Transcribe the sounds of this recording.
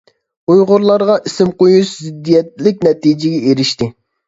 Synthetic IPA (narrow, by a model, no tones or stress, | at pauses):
ujʁʊɾlˠɑɾʁɑʔisɪmqojuʃzɪd̪ːijɛt̪̚lɪk̚ʲnɛt̪id͡ʒɪɡʲɛeɾɪʃt̪ɪ